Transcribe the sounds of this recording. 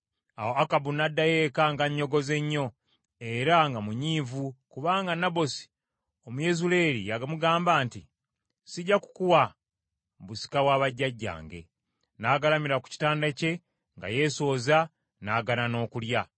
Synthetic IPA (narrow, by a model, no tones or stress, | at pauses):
a̰woakabunadːajekaŋɡaɲːo̞ɡo̞ze̞ɲːo̞ | e̞ɾaŋɡamuɲiːvukuβaːŋɡanabo̞si̥ | omuje̞zule̞ːɾijaɡamuɡaːmbaːnti | siɟaku̥kuwa | busi̥kawaːβaɟːaɟːa̰ːŋɡe̞̰ | naːɡalamiɾaku̥ci̥taːndace̞ | ŋɡa̰je̞ːso̞ːza | naːɡanano̞ːkulja